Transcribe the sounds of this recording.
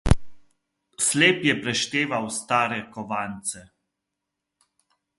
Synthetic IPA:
sleːpjɛpɾɛʃt̪eːʋawst̪aːɾɛkɔʋaːnt̪sɛ

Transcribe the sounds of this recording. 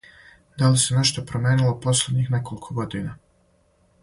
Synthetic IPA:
d̪alisene̞ʃt̪opɾomjeːnilˠopo̞slʲed̪ɲixne̞kʰo̞likʰoɡod̪ina

